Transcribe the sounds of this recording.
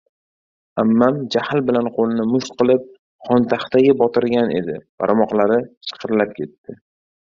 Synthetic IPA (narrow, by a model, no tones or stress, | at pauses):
amːamd͡ʒahɪlbɪlanqʰolɪnɪmʊʃt̪qɨlˠɪp̚ | χɒnt̪ʰaχt̪aɡʲɪbɒt̪ʰɪɾɡʲanʔe̞̰d̪ɪb̥a̰ɾmɒqlˠaɾɪt͡ʃʰɨ̥qʰɨɾlap̚kʲʰe̞t̪ːɪ